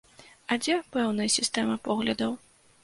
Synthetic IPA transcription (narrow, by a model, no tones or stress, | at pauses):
ɐd͡zʲɛpɛwnɐjɐsʲist̪ɛmɐpɔɣlʲɐd̪ɐw